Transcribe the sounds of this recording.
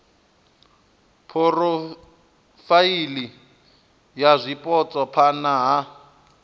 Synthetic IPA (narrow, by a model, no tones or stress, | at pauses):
pʰɔrɔ | faili | jazʷipʼɔt͡sʼɔpʰanaɦa